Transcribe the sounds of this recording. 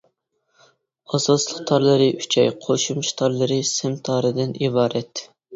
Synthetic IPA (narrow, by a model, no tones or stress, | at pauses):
ɑzɑlˠəq̚t̪ʰɑɾlˠɨɾɨy̥t͡ʃʰɛ̰jqʰoʃumʃt̪ʰɑɾlˠɨɾɨsɪmt̪ʰɑːɾɨd̪ɪnibɑːɾɛt̪